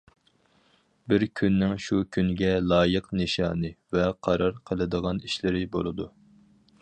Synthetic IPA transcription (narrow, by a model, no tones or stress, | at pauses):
bɪɾkʲʰynːɪŋʃukʲʰynɡʲɛlˠɑːjəqnɨʃɑːnɨvɛqʰɑɾɑɾqʰəlˠɨd̪əʁɑniʃlɪɾɪbo̰lˠɨd̪u